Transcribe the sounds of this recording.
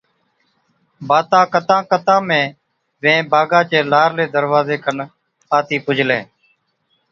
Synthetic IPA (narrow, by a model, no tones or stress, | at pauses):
baːt̪ãːkət̪ãːkət̪ãːmẽː | ʋẽːbʱaːɡãːt͡ʃeːlaːɾleːd̪əɾʋaːzeːkən | aːt̪iːpʊd͡ʒʱlẽː